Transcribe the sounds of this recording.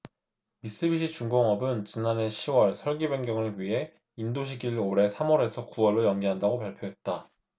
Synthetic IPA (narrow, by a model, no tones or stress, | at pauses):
mis͈ɯbiɕ̬͈ʰit͡ɕuŋɡoŋʌbɯnt͡ɕinane̞ɕʰiwʌɭsʰʌɭɡibeŋɡjʌŋɯɭɥiɦe̞ | indoɕ̬ʰiɡiɭoɾe̞sʰamwʌɾe̞sʰʌkuwʌɭːojʌŋɡiɦandaɡopaɭpʰjoɦe̞t̚t͈a